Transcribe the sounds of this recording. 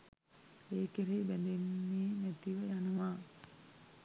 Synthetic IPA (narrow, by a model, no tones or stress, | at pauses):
eːkeɾeːbænd̪emːeːnæt̪iʋəjanəʋa